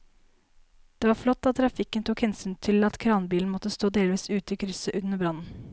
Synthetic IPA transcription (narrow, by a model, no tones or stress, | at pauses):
d̪̥eːʋɑːɾflɔt̪ːɑt̪ʰːɾɑfɪkːənt̪ʰuːkhɛnsyːnt̪ʰɪlɑt̪kʰɾɑːnbiːln̩mɔt̪ːəst̪oːd̪eːlʋiːsʉːt̪əiːkʰɾʏsəʔʉnːəɾbɾɑnn̩